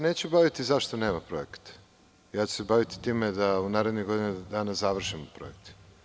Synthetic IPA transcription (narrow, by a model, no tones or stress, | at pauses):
ne̞ːt͡ɕubaʋit̪izaʃt̪one̞ːmapɾo̞ekḁt̪ | jaːt͡ɕu̥sebaʋit̪i̥t̪iːmed̪aunaːɾe̞d̪niɡo̞d̪inad̪aːnazaʋr̩ʃimopɾo̰ek̚t̪